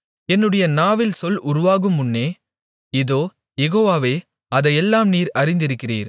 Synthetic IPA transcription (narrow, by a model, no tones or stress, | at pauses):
ɛnːɯɽɐjɐnaːʋɪlsɔlʔʊɾʊʋaːɣɯmːʊnːeː | ɪðoː | jɛɣoːʋaːʋeː | ɐðɐjɛlːaːmniːɾɐɾɪnd̪ɪɾɯkːɪrḭːɾ